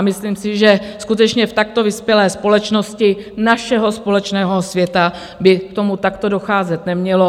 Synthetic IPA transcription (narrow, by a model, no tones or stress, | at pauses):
mɪslimsɪʒɛskut̪ɛt͡ʃɲɛft̪ak̚t̪o̞vɪspjɛlɛːspo̞lɛt͡ʃno̞scɪnaʃɛɦo̞spo̞lɛt͡ʃnɛːɦosvjɛt̪a | bɪkt̪o̞mut̪akt̪o̞do̞xaːzɛt̪nɛmɲɛlo̞